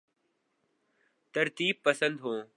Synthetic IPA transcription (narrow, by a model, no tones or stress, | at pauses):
t̪əɾt̪iːb̚pəsə̃nd̪ɦõː